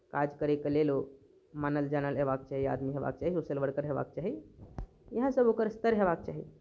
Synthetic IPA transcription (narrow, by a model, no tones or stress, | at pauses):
kad͡ʒkəɾekəlelo | manəld͡ʒanəlɦebak̚t͡ʃaɦia̰d̪miɦeba̰k̚t͡ʃaɦiosəlʋəɽkəɾɦeba̰k̚t͡ʃaɦi | jəɦə̃səbokəɾst̪əɾɦebak̚t͡ʃa̰ːɦḭ